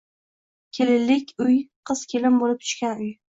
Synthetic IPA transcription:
kʲʰelɪlːɪkʲʊjqʰɨz̥kʲʰelɪmbolɪp̚t̪ʰʊ̥ʃkʲanʊj

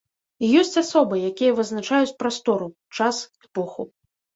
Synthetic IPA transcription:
jɔsʲt͡sʲasɔbɨjakʲijɛvɨznat͡ʂajut͡sʲpɾast̪ɔɾu | t͡ʂasɛpɔxṵ

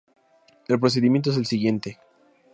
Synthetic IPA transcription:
e̞lp̬ɾos̬e̞ðimjent̪̬oes̬e̞lsiɣje̞nt̪e̞

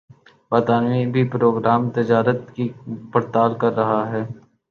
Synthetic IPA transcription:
baːt̪aːnʋibʱipɾoːɡɾaːmt̪ɪd͡ʒaːɾət̪kipɐɾt̪aːlkɐɾːɐɦaɦɛː

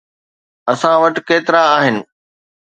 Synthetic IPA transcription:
ɐsãʋɐʈkeːt̪ɪɾaaːɦɪnɪ̆

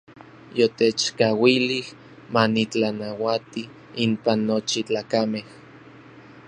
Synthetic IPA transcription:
jot̪et͡ʃkawilih | manit͡ɬanawat̪i | impanːot͡ʃit͡ɬaːkameh

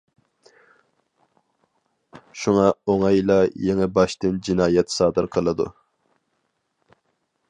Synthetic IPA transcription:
ʃuŋɑoŋɑjlˠɑjeŋɛbɑʃt̪ɨnd͡ʒinɑːjɛt̪sɑːd̪ɨɾqʰəlˠɨd̪ṵ

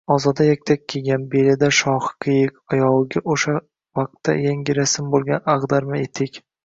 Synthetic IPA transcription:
ɒzɒd̪ajakʲt̪ʰakʲkʲʰːeɡʲanbelɪd̪aʃɒhqʲʰɨjɪkʲɒjɒwɡʲaʔoʃa | vaq̚t̪ːa̰jaŋɡʲɪɾasɪmbolˠɡʲanaʁd̪aɾmɪet̪ʰɪkʲ

